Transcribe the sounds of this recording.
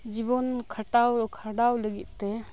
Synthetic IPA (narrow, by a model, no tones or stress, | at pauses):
d͡ʒibɔnkʰaʈawkʰaɖawləɡɛt̪̚ˀt̪ɛ